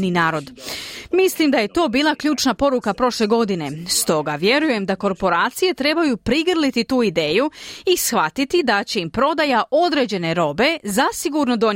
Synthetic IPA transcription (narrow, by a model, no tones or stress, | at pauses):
ninaːɾo̞d̪mislˠimd̪aje̞t̪o̞ːbiːlˠakʎuːt͡ʃnapo̞ɾukapɾo̞ʃleɡo̞d̪ine̞st̪o̞ɡaʋje̞ɾuje̞md̪ako̞ɾpo̞ɾaːt̪sije̞t̪ɾe̞bajupɾiɡrlit̪it̪uːid̪eːjuisxʋat̪it̪id̪at͡ɕe̞impɾo̞d̪ajaʔo̞d̪ɾe̞ːd͡ʑe̞ne̞ɾo̞be̞zasiɡuɾno̞d̪o̞ɲ